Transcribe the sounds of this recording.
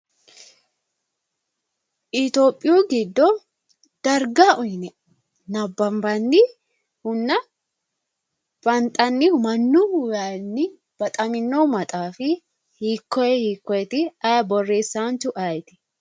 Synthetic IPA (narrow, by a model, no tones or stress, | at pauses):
ʔɪt̪oːpʼːɪjuːɡɪd̪ːɔ | d̪̥ɐɾɡaʔʊjnɛ | nɐbːɐmbɐnːɪ | hʊnːɐ | b̥ɐnt̪ʼɐnːɪmɐnːʊʊjanːɪ | b̥ɐt̪ʼɐmɪnːɔmɐt̪ʼaːfɪ | hiːkːɔjɛhiːkːɔjɛt̪ɪɐjbɔrːe̞ːsːaːnt͡ʃʊʔajt̪ɪ̥